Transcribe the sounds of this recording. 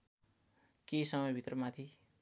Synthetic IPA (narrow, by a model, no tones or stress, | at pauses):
kesʌmʌjbʱit̪rʌmat̪ʰi